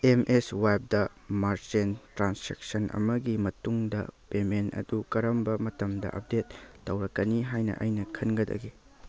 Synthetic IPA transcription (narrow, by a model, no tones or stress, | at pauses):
emʔeswap̚dɐ | maɾd͡ʒentɾansɾek̚sɐnʔɐ̰mɐɡimɐtuŋdɐ̰pemenɐ̰dukɐɾɐmbɐmɐtɐmdɐ̰ʔɐp̚detːɐwɾɐkːɐniɦajnɐ̰ʔɐjnɐkʰɐnɡɐdɐ̰ɡi